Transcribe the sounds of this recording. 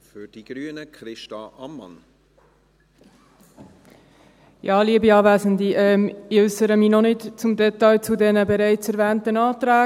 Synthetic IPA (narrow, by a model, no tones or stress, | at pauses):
fyd̥iɡ̥ɾyːənəkɾɪʃtɑʔɑmːɑ̰n | jɑːliːəbiɑːvæːzənd̪iʔɛːmɪʏsəɾəmiːnɔnɪtt͡sʊmdɛtɑɪt͡sudɛnəbɛɾæɪt͡sɛɾvɛːntənɑːt̪ɾæː